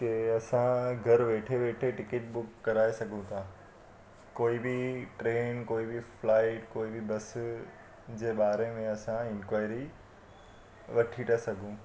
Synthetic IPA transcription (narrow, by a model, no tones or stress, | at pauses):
t̪eɐsãɡʱɐɾʋeːʈʰeʋeːʈʰeʈɪkɪʈ̚bʊkːɐɾaːesɐɡʱũt̪ʰãː | koːibiʈɾeːnkoːibiflaːɪʈkoːibibɐs | d͡ʑeːɓaːɾemẽɐsãɪ̃nkwaːɪɾi | ʋɐʈʰiʈʰasɐɡʱũː